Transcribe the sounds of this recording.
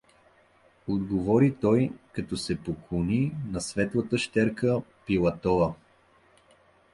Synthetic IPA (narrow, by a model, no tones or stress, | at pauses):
od̪ɡovɔɾit̪ɔjkɐt̪ɔsɛpokoninɐsvɛt̪lˠət̪əʃt̪ɛɾkəpilˠɐt̪ɔə